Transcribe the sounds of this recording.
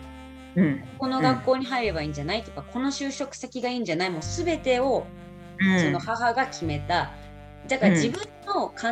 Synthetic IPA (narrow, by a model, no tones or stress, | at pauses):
ɯ̟̃ɴko̞no̞ɡakːo̞ːɲ̟iɦaiɾe̞baĩːɲ̟d͡ʑanait̪ːeɯ̥kakʰo̞no̞ɕɨːɕo̞kɯ̟̥sakʲiɡaĩːɲ̟d͡ʑanaimo̞sɨbe̞t̪e̞o̞ | so̞no̞haɦaɡakʲʰime̞t̪a | d̪akaɾd͡ʑibɯ̟̃ | o̞kʰã